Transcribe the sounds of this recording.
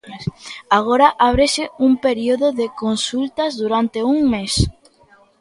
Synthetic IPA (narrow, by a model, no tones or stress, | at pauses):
aɣ̞oɾɐʔaβ̞ɾeʃɪuŋpeɾioðʊðɪkonsult̪ɐzðuɾant̪euŋmes